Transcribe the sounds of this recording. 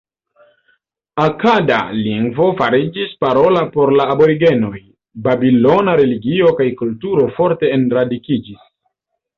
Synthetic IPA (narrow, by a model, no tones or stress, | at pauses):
akada̰liŋɡvo̞faɾid͡ʒispaɾo̞lapo̞ɾlaːbo̞ɾiɡe̞no̞j | babilo̞naɾe̞liɡio̞kajkultuɾo̞fo̞ɾte̞ːnɾadikid͡ʒis